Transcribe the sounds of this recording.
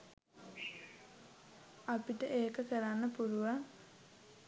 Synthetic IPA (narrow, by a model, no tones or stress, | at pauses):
apiʈəʔeːkəkəɾanːəpuluʋaŋ